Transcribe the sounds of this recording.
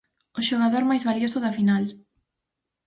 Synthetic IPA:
ʊʃoɣaðoɾmajzβaljosʊðafinal

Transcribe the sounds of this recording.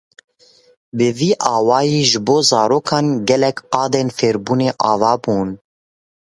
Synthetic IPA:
bɨviːʔɑːwɑːjiːʒɨboːzɑːɾoːkʰɑːnɡɛlɛkqɑːd̪eːnfeːɾbuːneːʔɑːvɑːbuːn

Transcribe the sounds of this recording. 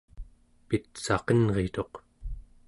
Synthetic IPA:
pit̪sɑqənʁe̞t̪o̞q

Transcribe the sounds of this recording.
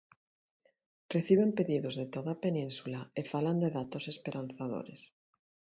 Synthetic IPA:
reθiβ̞empeðiðozðet̪oðapenĩnsulaefaland̪eðat̪osespeɾʔanθaðo̰ɾḛs

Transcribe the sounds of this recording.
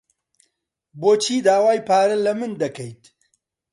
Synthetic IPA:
boːt͡ʃʰiːd̪aːwaːjpʰaːɾɐlɐmɨnd̪ɐkʰɐjt̪

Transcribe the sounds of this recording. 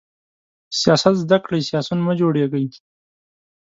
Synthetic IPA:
sijɑsat̪zd̪akɽijsjɑsunməd͡ʒoɽeɡəj

